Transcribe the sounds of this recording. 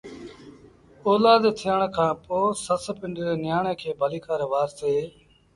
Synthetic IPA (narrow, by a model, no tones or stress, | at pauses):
oːlaːd̪t̪ʰɪjəɳkʰãːpoːsəspɪɳɖɪɾeːnɪjaːɳẽːkʰeːbʱəliːkaːɾʋaːɾseː